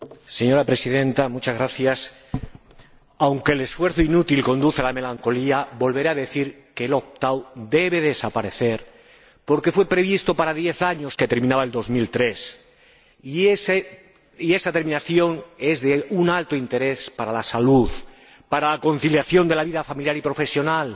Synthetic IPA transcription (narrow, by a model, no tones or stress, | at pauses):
se̞ɲo̞ɾapɾe̞siðe̞nt̪amut͡ʃazɣɾaθjas | awŋke̞ːle̞sfwe̞ɾθoinut̪ilko̞nd̪uθealame̞laŋko̞liabo̞lβe̞ɾeaðe̞θiɾ | ke̞ːlo̞p̚t̪awd̪e̞β̞e̞ðe̞sapaɾe̞θe̞ɾ | po̞ɾke̞fwe̞pɾe̞β̞ist̪o̞paɾaðje̞θaɲo̞ske̞t̪e̞ɾmĩnaβae̞ld̪o̞zmilt̪ɾe̞s | iese | ie̞sat̪e̞ɾmĩnaθjo̞ŋe̞zðeunalt̪oint̪e̞ɾe̞spaɾalasaluð | paɾalako̞n̟θiljaθjo̞nd̪e̞laβiðafamiljaɾipɾofe̞sjo̞nal